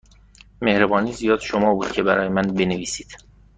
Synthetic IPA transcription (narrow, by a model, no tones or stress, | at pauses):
me̞hɾbɒːniːzijɒːd̪ʃomɒːbuːd̪̥cʰe̞bæɾɒːjemænbe̞neviːsiːd̪̥